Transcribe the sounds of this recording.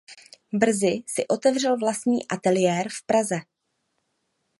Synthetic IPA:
br̩zɪsɪʔo̞t̪ɛvr̝ɛlvlast̪ɲḭːʔat̪ɛlɪjɛːɾfpɾazɛ

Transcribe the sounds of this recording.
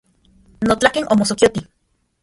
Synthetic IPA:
not͡ɬakenʔomosokiot̪i

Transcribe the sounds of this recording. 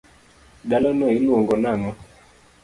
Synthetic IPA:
ɗalɔnɔilwoŋɡɔnaŋɔ

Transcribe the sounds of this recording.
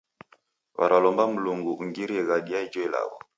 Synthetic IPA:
wa̰ɾalɔmbam̩luŋɡuʔuŋɡiɾiɛɣaɗiaid͡ʒɔila̰ɣɔ̰

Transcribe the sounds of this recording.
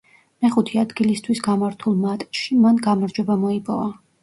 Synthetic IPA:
mɛχut̪ʰiad̪ɡilist̪ʰwisɡamaɾt̪ʰulˠmat̪ʼʃimanɡamaɾd͡ʒwɛbamɔipʼɔva

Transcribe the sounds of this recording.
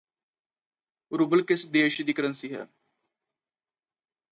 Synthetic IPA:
ɾubəlkɪsd̪eːʃd̪iːkəɾənsiːɦɛ̰ː

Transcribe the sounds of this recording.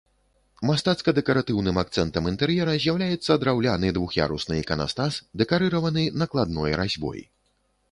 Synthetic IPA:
mast̪at̪skɐd̪ɛkɐɾat̪ɨwnɨmak̚t̪sɛnt̪ɐmint̪ɛɾjɛɾɐzʲjawlʲajɛt̪sːɐd̪ɾawlʲanɨd̪vuxja̰ɾusnɨjɛkɐna̰st̪asd̪ɛkaɾɨɾɐvɐnɨnɐklˠad̪nɔjɾazʲbɔ̰j̰

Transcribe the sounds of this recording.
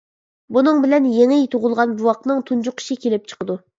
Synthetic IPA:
bunɨŋbɪlɛnjeŋɪjt̪ʰoʁʊlˠʁɑnbuwɑq̚nɨŋt̪ʰund͡ʒuqi̥ʃikʲelɪp̚t͡ʃʰə̥qəd̪u

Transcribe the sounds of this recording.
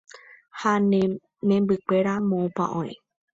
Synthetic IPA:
han | nẽmbɨke̞ɾamõpã̰ʔõ̰ẽ

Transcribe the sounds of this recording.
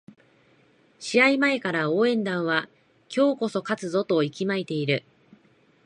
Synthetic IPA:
ɕiaimae̞kaɾaoːẽ̞nd̪ãɰ̃βa | kʲo̞ːko̞so̞kat͡sɨzo̞t̪o̞ikʲimait̪e̞iɾɯ̟

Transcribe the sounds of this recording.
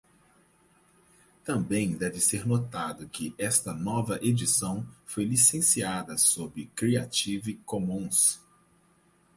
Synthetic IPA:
t̪ɐ̃bẽj̃d̪ɛvɪseɾnot̪ad̪ʊkɪʔɛst̪ɐnɔvɐʔed͡ʒisɐ̃w̃fojlisẽsiad̪ɐsobɪkɾiat͡ʃivikomũs

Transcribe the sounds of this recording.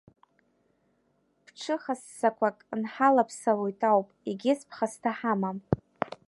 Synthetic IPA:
pʰʈ͡ʂʰɨχasːakʷʰakʼnħalapʰsalojtʼawpʼiɡʲɪspʰχastʰaħamam

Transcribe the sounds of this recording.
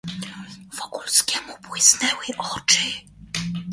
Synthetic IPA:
v̥ɔkulskʲɛmubwɪsnɛwɪʔɔt͡ʂɘ

